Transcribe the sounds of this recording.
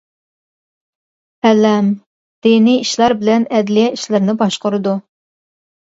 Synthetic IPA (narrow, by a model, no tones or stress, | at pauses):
ɛlːɛm | d̪̥eniiʃlˠɑɾbɪlɛnɛd̪lijɛiʃlɪɾnɪbɑʃqʊɾɨd̪u